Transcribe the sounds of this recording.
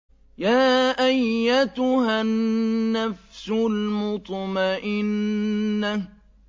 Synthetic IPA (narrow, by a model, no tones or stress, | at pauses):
jaːʔajːat̪ʊhaː | afsʊlmʊt̪ˤmaʔɪnː | a